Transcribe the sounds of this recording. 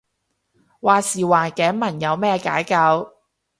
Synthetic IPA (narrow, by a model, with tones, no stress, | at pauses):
waː˨siː˨˩waː˨˩nkɛː˨˥mɐ˨˩njɐ˨˧wmɛː˥ka̰ː˨˥jkɐ˧w